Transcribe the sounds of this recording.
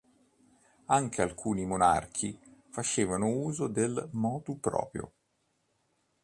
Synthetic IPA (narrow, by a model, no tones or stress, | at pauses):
aŋk̟ʰealkʰuːnimona̰rkʰifat͡ʃeːvanouːzod̪elmɔːt̪upɾɔ̰ːpɾjo̰